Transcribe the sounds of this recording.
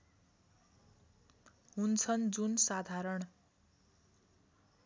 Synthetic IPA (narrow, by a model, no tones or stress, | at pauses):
ɦunt͡sʰʌnd͡zunsad̪ʱaɾʌɽ